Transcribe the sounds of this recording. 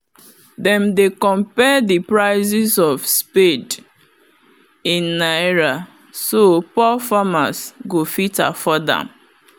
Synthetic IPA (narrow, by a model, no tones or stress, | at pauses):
dɛ̃mdekɔ̃mpɛdipɹaɪzisɔvspid | ĩnːaɹa | sopɔfamasɡofita̰fɔdã̰m